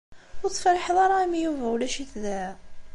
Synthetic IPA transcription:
wut̪ːˤfælħðˤɑɾˤɑmijuvæwlæʃiθðæ

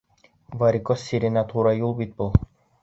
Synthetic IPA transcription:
vaɾikɔsːiɾʲinat̪uɾajulˠbit̪̚bɤlˠ

